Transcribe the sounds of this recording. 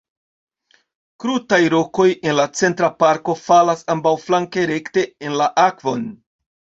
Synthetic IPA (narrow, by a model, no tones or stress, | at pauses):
kɾutajɾo̞ko̞je̞nlat͡se̞ntɾapaɾko̞falasambawflaŋke̞ɾe̞kte̞enlaʔakvo̞n